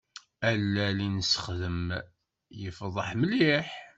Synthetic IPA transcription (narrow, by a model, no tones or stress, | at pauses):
ælːælinəsə̥χðəm | jəfðˤəħməliħ